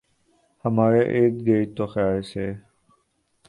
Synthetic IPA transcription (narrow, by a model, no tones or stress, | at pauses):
həmaːɾeʔeːt̪ɡeːt̪oːxjaːlseː